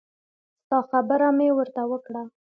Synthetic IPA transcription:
st̪ɑxabəɾamewəɾt̪awəkɽa

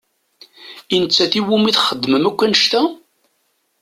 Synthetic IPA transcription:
inət͡sːæθiwumiθχəd̪ːməmækʷːænəʃt̪æ

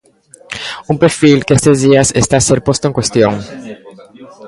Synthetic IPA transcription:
umpeɾfilkest̪ezðiasest̪aseɾpost̪oeŋkwest̪jõŋ

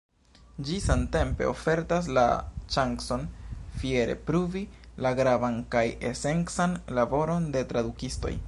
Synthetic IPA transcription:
d͡ʒisante̞mpe̞̰o̞̰fe̞ɾtas̬la̰t͡ʃaŋkso̞nfieɾe̞̰pɾuvilaɡɾavankaje̞se̞nsanlabo̞ɾo̞nde̞tɾadukisto̞̰j

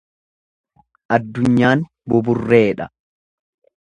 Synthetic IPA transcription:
ʔɐd̪ːʊɲːaːn | bʊbʊrːe̞ːᶑɐ

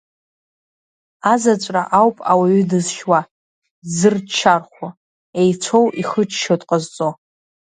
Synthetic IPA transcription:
azat͡ʃʷʼra̰ʔawpʼawaɥʏdɨzʃwa | zɨrt͡ʃʰːarχʷa | ejt͡sʷʰo̞wʔiχət͡ʃʰʃotʼqʼəzt͡sʼo

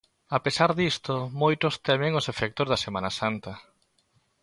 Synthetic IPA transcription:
apesaɾðist̪ʊmojt̪ʊst̪ɛmẽŋosefɛk̚t̪ozðɐsemanasant̪ɐ

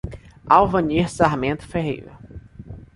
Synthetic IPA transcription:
awvɐ̃niɾsaɾmẽnt̪ʊ̥feɦḭv̰

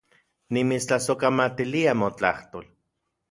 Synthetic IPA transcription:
nimit͡st͡ɬasokamat̪iliamot͡ɬaht̪oːl

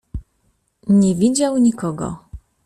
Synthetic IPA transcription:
ɲɛvʲid͡ʑawɲikɔɡɔ̰

